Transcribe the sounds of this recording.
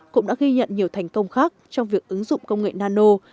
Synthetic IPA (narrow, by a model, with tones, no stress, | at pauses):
kʊ̰˧˥ŋ͡mɗa̰ː˧˥ɣi˧ɲə̰˧˨nɲi˨˩əwt̪ʰɛ˨˩jŋ̟kə˧wŋ͡mxaː˦˥k̚t͡ɕɔ˧wŋ͡mvi˨˩ək̚ʔɨ˨˦ŋzʊ̰˧˨ŋ͡mkə˧wŋ͡mŋḛ˧˨naː˧no˧